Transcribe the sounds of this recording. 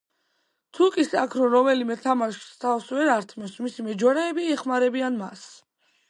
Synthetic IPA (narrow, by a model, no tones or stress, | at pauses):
t̪ʰukʼisakʰɾɔɾɔmɛlimɛt̪ʰamaʃi̥st̪ʰafswɛɾaɾt̪ʰmɛsmisimɛd͡ʒwaɾaɛbiɛχmaɾɛbianma̰s